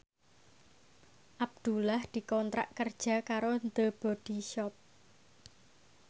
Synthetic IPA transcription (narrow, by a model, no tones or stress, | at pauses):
ʔab̚d̪̥ulahd̪̥i̤kɔnt̪ɾa̰ʔkərd̥ʒ̥a̤kaɾond̪əb̥ɔ̤d̪̥iʃɔp̚